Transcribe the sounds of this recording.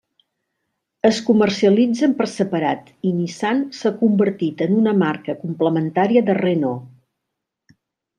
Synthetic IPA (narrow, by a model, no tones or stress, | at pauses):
əskumərsiəlid͡zəmpərsəpəɾat̪inisansəkumbəɾt̪it̪ənunəmarkəkumpləmənt̪aɾiəðəreno